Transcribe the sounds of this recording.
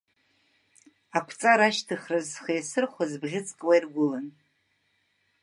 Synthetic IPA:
apʷʰt͡sʼaɾaʃtʰɨχrazχajasɨrχʷazbʁʲɪt͡sʼkʼwairɡʷʊlan

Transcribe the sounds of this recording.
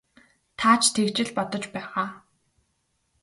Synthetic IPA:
t̪ʰaːt͡ɕʰt̪ʰekt͡ɕɪ̆ɮpɔt̪ɞ̆t͡ɕpæːʁaː

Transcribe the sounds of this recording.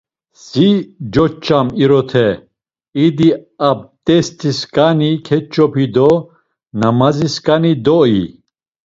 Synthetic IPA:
sid͡ʒɔt͡ʃʰʼːamiɾɔt̪ʰɛ | id̪iab̚t̪ʼɛst̪ʰiskʼanikʰɛt͡ʃʰʼːɔpʰid̪ɔ | namaziskʼanid̪ɔi

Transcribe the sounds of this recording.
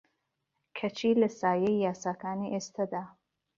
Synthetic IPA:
kʰɐt͡ʃʰiːlɐsaːjejjaːsaːkʰaːniʔest̪ad̪aː

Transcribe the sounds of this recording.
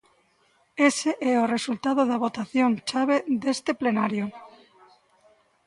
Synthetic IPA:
eseʔɛoresult̪að̞oðaβ̞ot̪aθjont͡ʃaβ̞ed̪est̪eplenaɾjo

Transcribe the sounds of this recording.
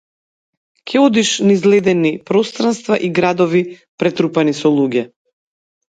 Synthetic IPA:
kʰʲɛɔd̪iʃnizlɛd̪ɛnipɾɔst̪ɾanst̪vaʔiɡɾad̪ɔvi | pɾɛt̪ɾupanisɔlˠuɡʲɛ

